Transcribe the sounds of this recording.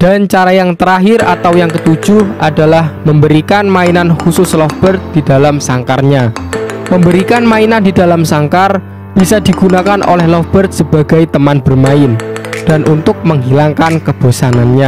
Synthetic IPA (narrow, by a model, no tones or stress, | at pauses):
d̥ant͡ʃaɾajaŋt̪əɾaɦɪɾat̪awjaŋkət̪u̥d͡ʒ̥ʊhʔadalahməmbəɾikanmainanhusʊslɔfb̥ərt̪̚d̥idalamsaŋkarɲaməmbəɾikanmainandida̤lamsaŋkar | b̥isadiɡ̥unakanʔo̰lɛhlɔfb̥ərt̪̚səba̤ɡajt̪əmanb̥ərmaɪnd̥anʔunt̪ʊk̚məŋɦilaŋkankəb̥osananɲa